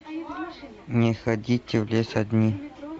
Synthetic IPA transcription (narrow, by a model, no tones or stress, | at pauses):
nʲɪxɐdʲitʲɪvlʲesɐd̪ʲnʲi